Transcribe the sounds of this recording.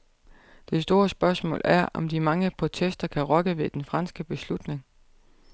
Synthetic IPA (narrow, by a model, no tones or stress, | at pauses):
d̥e̝sd̥o̝ːɐsb̥ɶɐsmɔ̰̽ːlæɐɒ̽md̥imɑ̈ŋəpʰʁo̝t͡sʰesd̥ɐkʰæʁɒ̽ɡ̥əʋe̝d̥enfʁɑ̈nsɡ̥əb̥e̝slud̥ne̝ŋ